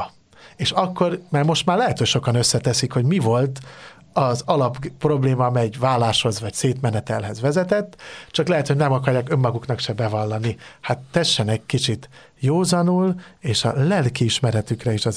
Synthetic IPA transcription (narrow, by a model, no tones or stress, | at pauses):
eːʃɒkːo̞rmaːrmo̞ʃt̪maːrlɛɦɛt̪ho̞cʃo̞kɒnø̞sːɛt̪ɛsikho̞ɟmivo̞lt̪ | ɒzɒlɒppːro̞bleːmɒmɛjvaːlːaːʃho̞zʋɒcseːt̪mɛnɛt̪ɛlɦɛzʋɛzɛt̪ɛt̪ːt͡ʃɒklɛɦɛt̪honɛmɒkɒrjaːkø̞mːɒɡuknɒkʃɛbɛvɒlːɒnihat̪ːɛʃːɛnɛkʲkit͡ʃit̪ | joːzɒnuleːʃɒ̰lɛlkiːʃmɛɾɛt̪ykrɛiʃɒ